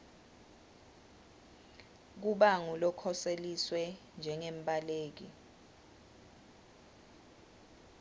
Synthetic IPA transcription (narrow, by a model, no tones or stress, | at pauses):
k̬uɓaŋulɔkʰɔseliswɛ | nd͡ʒʱɛŋem̩ɓʱʼaleːk̬i